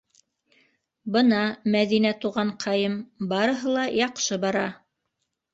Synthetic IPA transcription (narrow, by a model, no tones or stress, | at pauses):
bɤ̆nɑmæðinæt̪uʁɑɴqʰɑjɤmbɑɾɤ̆ɦɤlˠɑjɑqʃɤbɑɾɑ